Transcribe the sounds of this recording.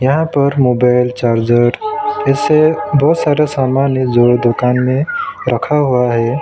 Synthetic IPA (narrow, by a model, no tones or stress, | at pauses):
jɐɦãpəɾmobaɪlt͡ʃaɾd͡ʑəɾesebɔːt̪saɾasamanjed͡zod̪ʊkanmẽɾəkʰaɦuaɦe